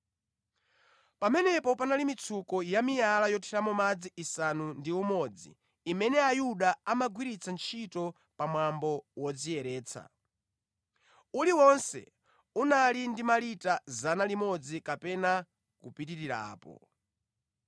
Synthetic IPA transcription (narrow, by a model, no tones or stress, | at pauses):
pamɛnɛpɔpanalimit͡sʰukɔjamijalajɔtʰiɾamɔmad͡ziʔːsanundiumɔd͡zḭː | mɛnɛajuɗaamaɡwiɾit͡sʰant͡ʃʰitɔ | pamwambɔwɔd͡zijɛɾɛːt͡sʰa̰ | uliwɔnsɛ̰ | unalindimalitazanalimɔd͡zikapɛna | kupitiɾiɾa̰ːpɔ̰